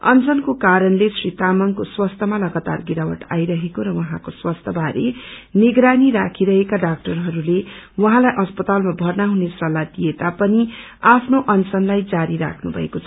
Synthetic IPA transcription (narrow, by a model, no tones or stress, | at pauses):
ʌ̰nt͡sʌnkokaɾʌnlesrit̪amʌŋkoswʌst̪ʰʌmalʌɡat̪a̰rɡiɾawʌ̰ʈa̰jɾʌɦekoɾʌwʌɦãkoswʌst̪ʰʌbʱaɾeniɡɾaniɾakʰiɾʌɦekaɖak̚ʈʌrɦʌɾulewʌɦãlajʔʌspʌt̪almabʱʌrnaɦunesrʌlːad̪ijet̪apʌni | apʰnoʔʌnt͡sʌnlajd͡zaɾiɾa̰kʰnubʱʌekot͡sʰ